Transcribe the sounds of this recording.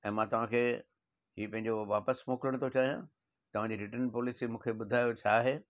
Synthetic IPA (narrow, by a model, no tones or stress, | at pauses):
ɛ̃ːmãt̪ɐʋ̤ãkʰeː | ɦiːpɐ̃ɦɪ̃ɲd͡ʑoʋaːpəsmoːkɪɾəɽ̃t̪ʰot͡ɕaːɦijãː | t̪ɐʋãd͡ʑiːɾɪʈəɾnpɔːlisimũːkʰeɓʊd̪ʱaːjot͡ɕʰaːɦeː